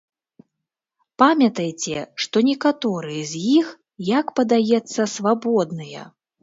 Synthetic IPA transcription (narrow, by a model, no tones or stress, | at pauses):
pamʲɐt̪ɐjt͡sʲɛʂt̪ɔnʲɛkat̪ɔɾɨjɛzʲjix | jakpɐd̪ajɛt̪sːɐsvabɔd̪nɨjɐ̰